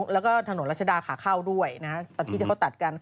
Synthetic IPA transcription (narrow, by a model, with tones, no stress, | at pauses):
ŋlɛː˦˥wkɔː˥˩t̪ʰa˧no˩˦ɾa˦˥t͡ɕʰdaː˧kʰaː˩˦kʰaː˥˩wdu˥˩əjna˦a˦˥t̪ɔː˧nt̪ʰiː˥˩i˥˧˩kʰt̪a˨˩t̪̚ka˧n